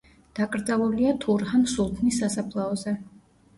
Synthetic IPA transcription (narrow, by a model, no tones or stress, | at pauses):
d̪̥akʼɾd̪zalˠuliat̪ʰuɾhansulˠt̪ʰnisːasapʰlˠaɔzɛ